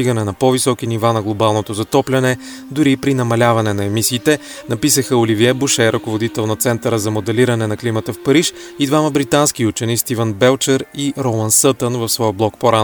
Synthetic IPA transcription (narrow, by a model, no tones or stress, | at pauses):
iɡənɛnɐpɔvisɔk̟inivanɐɡlˠobalˠnot̪ozɐt̪ɔplʲɐnɛ | d̪ʊɾipɾinɐmɐlʲavɐnɛnɐɛmisiːt̪ɛ | nɐpisəxəoliviɛbuʃɛɾʔɐkovod̪it̪ɛlˠnɐt̪sɛnt̪əɾəzɐmod̪ɛliɾənɛnɐklimət̪əfpɐɾiʃ | id̪vaməbɾit̪ansk̟iut͡ʃɛnist̪ivənbɛlˠt͡ʃəɾiɾomˠənsɤt̪ənvɐfsvɔjblˠɔkpoɾan